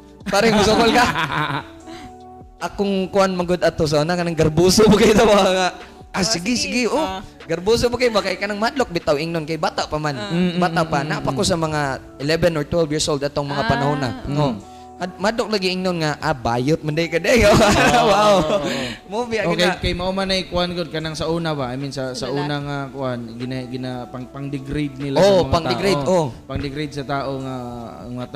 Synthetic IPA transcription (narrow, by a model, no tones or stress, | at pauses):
paːɾɪŋmʊsʊkolka | ʔakʊŋkʊʔanmɐɡod̪at̪os̬ɐʔonakɐnaŋɡɐɾbuːsobokajt̪owaŋa | asɪɡɪsɪɡɪʔo | ɡɐɾbus̬obokajbakɐjkɐnaŋmɐhad̪lok̚bɪt̪awʔɪŋnonkajbaːt̪aʔpamanbaːt̪apanaʔpakosɐmɐŋaʔɪlɛbɛnoɹt̪wɛlvjɪɹsʔold̪ʔat̪oŋmɐŋapɐnahuːna̰ʔo | had̪mahad̪lok̚laɡɪʔɪŋnonŋaʔabajʊt̪̚mand̪ajkɐd̪ɛjowaw | mbɪaʔkajkajmɐʔʊmanajkʊʔanɡod̪̚kɐnaŋsɐʔuːnabaʔaminsɐsɐʔuːnaŋakʊʔanɡɪnaɡɪnapapaŋd̪ɪɡɾid̪̚nɪlaopaŋd̪ɪɡɾed̪opɐŋd̪ɪɡɾid̪̚sɐt̪aːʔoŋaŋat̪